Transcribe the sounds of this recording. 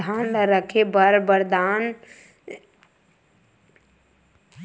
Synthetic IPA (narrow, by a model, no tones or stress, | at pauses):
aːnləɾəkʰebəɾbəɾd̪aːn